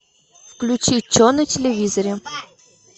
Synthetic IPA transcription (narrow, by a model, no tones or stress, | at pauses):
fklʲut͡ɕit͡ɕːonətʲɪlʲɪvʲizəɾʲɪ